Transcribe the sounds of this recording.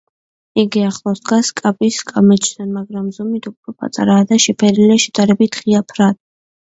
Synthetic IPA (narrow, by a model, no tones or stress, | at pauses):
iɡiaχlˠɔsd̪ɡaskʼapʼiskʼamɛt͡ʃʰʼd̪ɛnmaɡɾamzɔmit̪ʰupʰɾɔpʼa̰t̪ʼa̰ɾaːd̪aʃɛpʰɛɾilɛʃɛd̪aɾɛbit̪ʰχiapʰɾad̪̚